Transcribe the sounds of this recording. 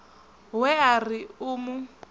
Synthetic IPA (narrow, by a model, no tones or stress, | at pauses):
wɛariʊːmʊ